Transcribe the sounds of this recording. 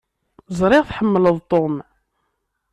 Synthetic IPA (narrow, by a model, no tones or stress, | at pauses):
zˤɾˤɪʁθħəmːələðˤt̪ˤom